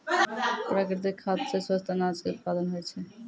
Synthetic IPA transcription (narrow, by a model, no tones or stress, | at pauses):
pɾakɾit̪̬ikʰːad̪sʰesast̪ʰanad͡ʑkeut̪̚pad̪onɦojet͡ɕʰe